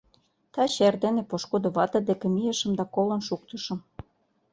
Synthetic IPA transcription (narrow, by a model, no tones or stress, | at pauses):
t̪ɑɕerd̪enepoʃkod̪oβɑt̪ɤ̆d̪ekĕmijə̆ʃə̆md̪ɑkolɤ̆nʃuk̚t̪əʃɤ̆m